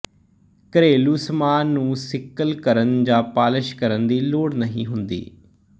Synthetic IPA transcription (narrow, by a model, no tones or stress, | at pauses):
kəɾeːluːsmaːnːũːsɪkːəlkəɾənd͡ʒaːpaːləʃkəɾənd̪iːloːɽnəɦĩːɦʊnd̪ḭː